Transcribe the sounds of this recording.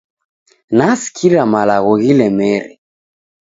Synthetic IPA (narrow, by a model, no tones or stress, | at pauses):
nasi̥kʰiɾamalaɣɔɣilɛmɛɾḭ